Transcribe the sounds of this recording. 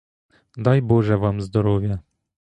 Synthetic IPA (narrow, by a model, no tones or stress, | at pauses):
d̪ajbɔʐɛvamzd̪ɔɾɔvʲjɛ